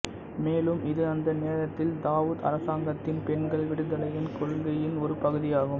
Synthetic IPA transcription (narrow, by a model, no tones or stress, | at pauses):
meːlɯmʔɪðɯɐnd̪ɐneːɾɐt̪ːɪld̪aːʋuːðɐ̰ɾɐsaːŋɡɐt̪ːɪnpɛɳɡɐɭʋɪɽɯðɐlɐjɪnkɔɻɯŋɡɐjɪnɔɾɯpɐɣɯðɪjaːɣɯm